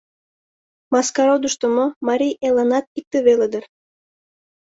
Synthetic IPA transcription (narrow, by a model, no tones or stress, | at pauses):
mɑskɑɾod̪uʃt̪ə̆momɑɾʲijelɑnɑt̪̚ik̚t̪eβeled̪ə̆r